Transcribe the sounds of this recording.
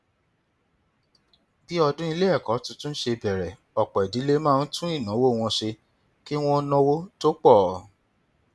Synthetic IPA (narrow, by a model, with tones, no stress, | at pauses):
bi˦ɔ˧dũ˦i˧le˦ɛ˦˨kɔ˨˦tũ˧˦tũ˦n̩˦ʃe˧bɛ˨ɾɛ˨ | ɔ˨k͡pɔ˨i˨di˨˦le˦mãː˦˧n̩˦tũ˦i˦˨nã˨˦wo˦˨w̃ɔ̃˧ʃe˧ | ki˦w̃ɔ̃˦nɔ̃˦wo˦to˦k͡pɔ˦˨